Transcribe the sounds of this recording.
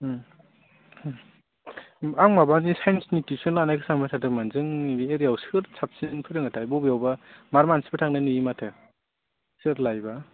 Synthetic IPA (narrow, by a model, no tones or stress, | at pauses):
aŋmabanisajnsnitisɔnlanakʰɯsaŋmatʰatʰɯmanzɯŋbeɾijawsɯɾsʰap̚sinpʰɯɾɯŋɯtʰajbɔbijawbamaɾmansi̥batʰaŋnanɯimatʰɯ | sɯɾlajba